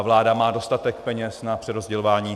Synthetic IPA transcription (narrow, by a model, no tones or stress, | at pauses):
vlaːdamaːdo̞st̪at̪ɛkpɛɲɛsnapr̥ɛɾozɟɛlovaːɲiː